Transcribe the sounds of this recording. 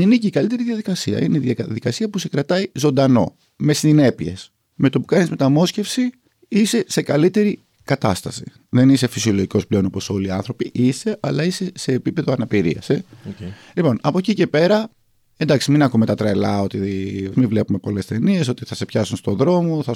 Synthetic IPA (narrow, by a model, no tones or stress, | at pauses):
ineciikɐlit̪e̞ɾiðʝɐðikɐsiɐ̰ʔineiðjɐðikɐsiɐpusekɾɐt̪ɐizo̞nd̪ɐno̞̰ | me̞sine̞pie̞̰s | me̞t̪o̞pu̥kɐnizme̞t̪ɐmo̞sce̞fsi | ise̞se̞kɐlit̪e̞ɾi | kɐt̪ɐst̪ɐsi̥̰ | ðe̞nise̞fisio̞lo̞ʝiko̞sple̞o̞nopo̞so̞liɐnθɾo̞piʔise̞ʔɐlɐise̞se̞ːpipe̞ðo̞ɐnɐpiɾḭɐ̰se | lipo̞nɐpo̞cice̞pe̞ɾɐ | end̪ɐksiminɐkume̞t̪ɐt̪ɾelɐo̞t̪imivle̞pume̞po̞le̞st̪e̞nie̞so̞t̪iθɐse̞pçɐsunst̪o̞ðɾo̞mo̞θɐ